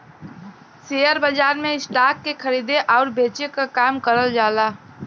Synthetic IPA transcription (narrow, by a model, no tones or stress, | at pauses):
seːjəɾbəd͡ʒaːɾmẽɪsʈaːkːekʰəɾiːd̪eʔɔːɾbeːt͡ʃekakaːmkəɾəld͡ʒaːlaː